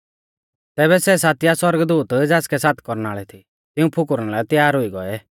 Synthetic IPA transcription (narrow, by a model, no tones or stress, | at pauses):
t̪ɛːβɛsɛs̬aːt̪ɪjaswɔɾɡd̪uːt̪d͡zaːskɛsaːt̪ʰkɔɾnaːɭɛt̪ʰi | t̪ɪũpʰʊkʊɾnaːlɛt̪jaːɾʊiɡɔ̰ɛ